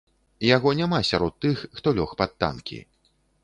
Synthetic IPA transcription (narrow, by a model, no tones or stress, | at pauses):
jaɣɔnʲamasʲaɾɔt̪ːɨxːt̪ɔlʲɔxpat̪ːa̰nkʲḭ